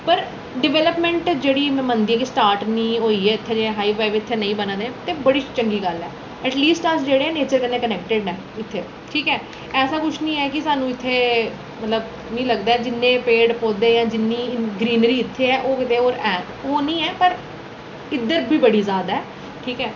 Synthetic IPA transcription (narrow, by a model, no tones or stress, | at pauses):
pəɾ | ɖɪʋɛːləpmɛ̃ɳʈd͡ʒeːɽiːmɛ̃ːmə̃nd̪iːãːkɪsʈaːɾʈnĩːɦoːiːɛːɪt̪ʰːeːd͡ʒeẽɦaːiːʋɛːʋeɪt̪ʰːeːnəĩːbənãːd̪ẽːt̪eːbəɽiːt͡ʃəŋɡiːɡəlɛː | ɛːʈliːsʈəsd͡ʒeːɽeːɛːneːt͡ʃəɾkənːẽːkənɛːk̚ʈɪɖɛː | ɪt̪ʰːeː | ʈʰiːkɛː | ɛːsãːkʊt͡ʃʰnĩːɛːkɪsaːnũːɪt̪ʰːeː | mət̪ləb | nĩːləɡd̪aːɛːd͡ʒɪnːẽːpeːɖpoːd̪eːjãːd͡ʒɪnːiːɡɾiːnɾiːɪt̪ʰːeːɛːʔoːkɪt̪eːoːɾɛː | oːnĩːɛːpəɾ | ɪd̪əɾbʱiːbəɽiːzaːd̪ɛː | ʈʰiːkɛː